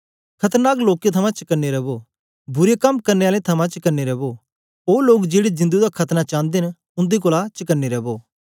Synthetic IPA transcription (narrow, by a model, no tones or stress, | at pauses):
kʰɐt̪əɾnaːkloːket̪ʰɐmãt͡ʃɐkəneɾɐboː | bʊɾekɐmkɐɾneaːlet̪ʰɐmãt͡ʃɐkɐɾneɾɐboː | oːloːkd͡ʒeːɽed͡ʒɪ̃nd̪ud̪akʰɐt̪nat͡ʃãːnd̪en | ʊ̃nd̪ik̬oːlat͡ʃɐkənːiɾɛboː